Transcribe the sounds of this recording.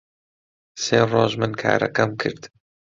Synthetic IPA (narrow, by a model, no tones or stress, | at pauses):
seːroːʒmɨnkʰa̰ːɾɐ̰kɐmkʰɨɾd̪